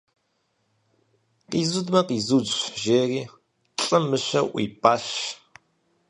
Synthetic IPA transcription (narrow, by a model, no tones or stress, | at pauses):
qiːzudmɐqiːzud͡ʒʒeːriː | ɬʼɨmɨɕɐ̰ʔʷḭːpʼaːɬ